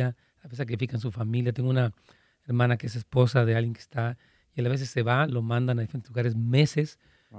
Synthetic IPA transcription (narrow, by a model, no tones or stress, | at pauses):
a | aβesak̬ɾifikans̬ufamĩljat̪e̞ŋɡuna | eɾmãnakees̬espo̞saðealɣjeŋke̥st̪a | ialaβe̞s̬esːe̞βalo̞mãnd̪anaðifeɾenluɣaɾes̬me̞ses